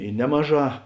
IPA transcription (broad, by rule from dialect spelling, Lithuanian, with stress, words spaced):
ɪ ˈnʲæːmɐˌʒɑː